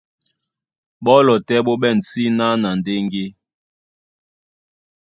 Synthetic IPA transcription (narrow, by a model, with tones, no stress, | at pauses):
ɓɔ˦lɔ˨tɛ˦ɓo˦ɓɛ˦˨n̩˨t͡si˦na˦na˨n˨de˦ŋ˦ɡe˦